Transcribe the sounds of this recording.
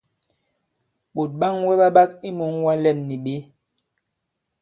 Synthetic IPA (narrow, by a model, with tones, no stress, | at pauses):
ɓo˨t̚ɓa˦˨ŋwɛ˦ɓa˦ɓa˦ki˦mo˨˦ŋwa˦lɛ˦˨mni˨ɓe˨˦